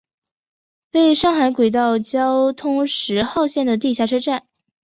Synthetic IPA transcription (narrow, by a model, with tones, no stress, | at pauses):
pe˥˩ɪʂɑ˥˩ŋxa˧˥ɪkwe˨˩t̪ɑ˥˩ʊt͡ɕjɑ˥ʊt̪ʰʊ˥ŋʂɻ̩˧˥xɑ˥˧ʊɕjɛ˥˩nd̪ə˩t̪̬i˥˧ɕja˥˩ʈ͡ʂʰɤ˥ʈ͡ʂa˥˩n